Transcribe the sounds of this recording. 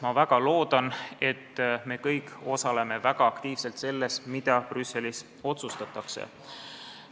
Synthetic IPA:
mɑvæɡ̥ɑlo̞ːd̪̥ɑne̞t̪ːme̞ːkɤjko̞sɑle̞me̞væɡ̥ɑːkt̪iːvse̞lt̪se̞lːe̞smid̪̥ɑprysːe̞lis | o̞t̪sust̪ɑt̪ːˑɑksḛ

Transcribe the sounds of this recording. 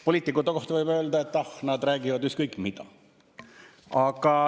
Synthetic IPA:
poliːt̪ːˑikːˑut̪ːeko̞ht̪ɑvɤjbø̞ːld̪ɑet̪ːˑɑhnɑd̪ræːɡ̥ivɑd̪ykst̪kɤjkːˑmid̪̥ɑ̰ | ɑɡ̥ɑ

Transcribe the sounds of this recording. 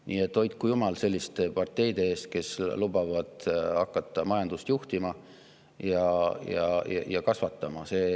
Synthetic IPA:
niːe̞t̪ːo̞jt̪̚kːujumɑlse̞lʲːist̪e̞pɑrt̪ːˑe̞jd̪̥e̞eːst̪̚ke̞slubɑvɑd̪̥ɑkːˑɑt̪ːˑɑmɑjɑnd̪̥ust̪juht̪imɑ | jɑjɑ̰jɑjɑkɑsvɑt̪ːˑɑmɑse̞ː

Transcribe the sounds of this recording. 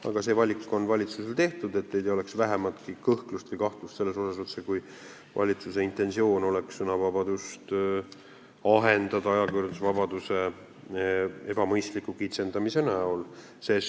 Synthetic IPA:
ɑ̰ɡ̥ɑse̞ːvɑlʲikːˑo̞nvɑlʲit̪suselt̪e̞ht̪ud̪e̞t̪ned̪ejo̞le̞ksvæɦemɑt̪kikɤhk̪lust̪vɨjkɑht̪lust̪se̞lːe̞so̞sɑsot̪ːsekuj | vɑ̰lʲit̪sus̬e̞int̪ˑe̞nsio̞ːno̞leksunɑvɑbɑd̪̥ust̪ | ɑɦe̞nd̪̥ɑd̪ɑɑjɑkyrd̪usvɑb̥ɑd̪use̞ | e̞b̥ɑmɤjst̪likːˑukit̪se̞nd̪ɑmise̞næol | ses

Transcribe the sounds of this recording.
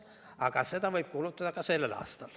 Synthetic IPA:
ɑɡ̥ɑse̞d̪ɑvɤjb̥̚kulut̪ːˑɑd̪ɑkɑse̞lːelɑ̰ːst̪ɑl

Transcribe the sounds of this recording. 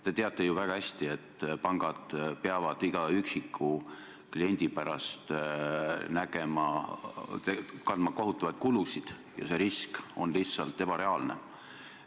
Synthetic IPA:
t̪e̞t̪e̞ɑt̪ˑːe̞juvæɡ̥ɑhæsʲt̪ie̞t̪ːˑpɑŋɡ̥ɑd̪̥peɑvɑd̪̥iɡ̥ɑyksikʰːˑu | klie̞nʲd̪̥ipæɾɑ̰st̪ | næɡ̥e̞mɑ | t̪ekɑnd̪mɑko̞ɦut̪ːˑɑvɑjt̪̚kulusid̪̥ | jɑ̰se̞ɾisko̞nlih̪sɑlt̪ːˑe̞b̥ɑɾe̞ɑlne̞̰

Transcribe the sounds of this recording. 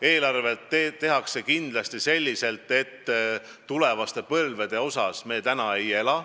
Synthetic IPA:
e̞ːlɑrvet̪et̪ːe̞ɦɑkse̞kind̪lɑst̪ise̞lʲːise̞lt̪ːˑe̞t̪ː | ule̞vɑst̪e̞pɤlve̞d̪̥e̞o̞sɑsme̞ːt̪ænɑe̞je̞lɑ

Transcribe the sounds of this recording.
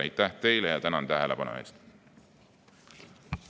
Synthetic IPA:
ɑjt̪ːæht̪e̞jlejɑt̪ænɑnt̪æɦelepɑnṵḛːst̪

